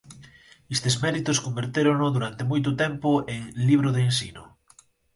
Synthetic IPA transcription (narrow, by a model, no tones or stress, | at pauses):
est̪ezmɛɾit̪ʊskombeɾt̪eɾonʊðuɾant̪emojt̪ʊt̪ɛmpʊeŋliβ̞ɾoð̞eːnsinʊ